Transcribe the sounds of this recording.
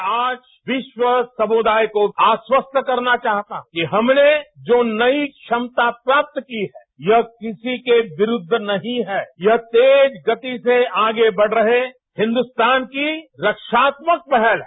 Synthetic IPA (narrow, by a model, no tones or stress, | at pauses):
aːd͡ʒ | ʋɪʃwəsɐmʊd̪ʱaːjkoaːswəst̪ʰkɐɾnat͡ʃaːɦt̪a̰kiɦɐmned͡ʒoːnɐikʃɐmt̪apɾaːp̚t̪kiɦɛ | jɐɦkɪsikeʋɪɾʊd̪ʱːnɐɦĩɦɛːjɐɦt̪eːd͡ʒɡɐt̪iseaːɡebɐɽ̤ɾɐɦe | hɪ̃nd̪ʊst̪aːnkiɾɐkʃaːt̪mək̚pɛɦɛlɦɛ